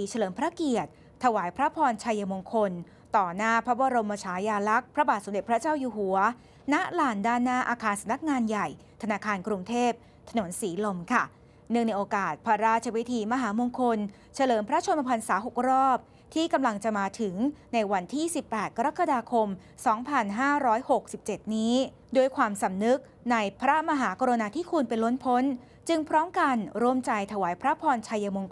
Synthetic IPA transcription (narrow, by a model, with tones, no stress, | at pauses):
t͡ɕʰa˧lɤː˩˦mpʰɾa˦˥ki˨˩ət̪̚ʰːa˧waː˩˦jpʰɾa˦˥pʰɔː˧nt͡ɕʰa˧ja˧mo˧ŋkʰo˧n | t̪ɔː˨˩naː˥˩pʰɾa˦˥bɔː˧ɾo˧mːaː˧t͡ɕʰaː˩˦jaː˧la˦˥k̚pʰɾa˦˥baː˨˩t̪so˩˦mde˨˩pʰɾa˦˥t͡ɕaː˥˩wjuː˧˩ɦu˨˩˦ɐ | na˦˥ʔlaː˨˩ndaː˥˩nːaː˥˩ʔaː˧kʰaː˧nsa˨˧˦mna˦˥k̚ŋaː˧nja˨˩j | t̪ʰa˧naː˧kʰaː˧nkɾu˧ŋt̪ʰeː˥˩p̚ | t̪ʰa˧no˩˦nsiː˩˦lo˧mkʰa˥˩ | nɯ˥˩əŋna˧jʔoː˧kaː˨˩t̪̚pʰɾa˦˥ɾaː˥˩t̪̚t͡ɕʰa˧wi˦˥t̪ʰiː˧ma˧ɦaː˩˦mo˧ŋkʰo˧n | t͡ɕʰa˧lɤː˨˩˦mpʰɾa˦˥t͡ɕʰo˧mpa˧pʰa˧nsaː˩˦ɦo˨˩k̚ɾɔː˥˩p̚ | t̪ʰiː˥˩ka˧mla˧ŋt͡ɕa˨˩maː˧t̪ʰɯ˩˦ŋna˧jwa˧nt̪ʰiː˥˩si˨˩pːɛː˨˩t̪̚ka˧ɾa˦˥kːa˧daː˧kʰo˧m | sɔː˩˦ŋpʰa˧nɦaː˥˩ɾɔː˦˥jho˨˩k̚si˨˩p̚t͡ɕe˨˩t̪̚niː˦˥ | doː˧˩əjkʰwaː˧msa˨˩mnɯ˦˥k̚ | na˧jpʰɾa˦˥ma˧ɦaː˩˦kʰɔ˧ɾa˧naː˧t̪ʰiː˥˩kʰuː˧npe˧nlo˦˥npʰo˦˥n | t͡ɕɯ˧ŋpʰɾɔː˦˥mka˧nɾu˧˥˩əmt͡ɕa˧jt̪ʰa˧waː˩˦jpʰɾa˦˥pʰɔː˧nt͡ɕʰa˧jːa˧mo˧ŋ